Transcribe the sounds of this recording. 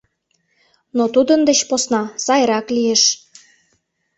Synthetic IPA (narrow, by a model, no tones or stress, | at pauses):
not̪ud̪ənd̪et͡ɕposnɑsɑjɾɑklieʃ